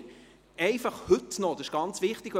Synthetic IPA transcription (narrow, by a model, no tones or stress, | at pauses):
ɛɪfɑχhɵt̪nɔd̥̪əʃɡ̥ɑnt͡sʋɪχt̪ɪɡ